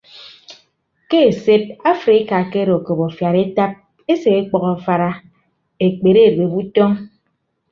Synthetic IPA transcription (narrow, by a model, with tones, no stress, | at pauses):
ke˦e˨se˦t̚a˦fɾi˨˦ka˨ke˦ɾo˨ko˨bo˨fja˨ɾe˦ta˦p̚ | e˦se˨e˦k͡pɔ˨ɣɔ˨fa˦ɾa˦ | e˨k͡pe˨ɾe˦˨ɾbe˨bu˦tɔ˦ŋ